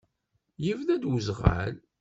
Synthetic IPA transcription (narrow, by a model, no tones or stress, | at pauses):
jivnæd̪wəzʁa̰l